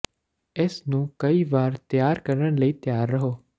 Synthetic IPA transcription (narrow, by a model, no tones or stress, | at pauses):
eːsnũːkəiːʋaːɾt̪jaːɾkəɾənləiːt̪jaːɾːəɦoː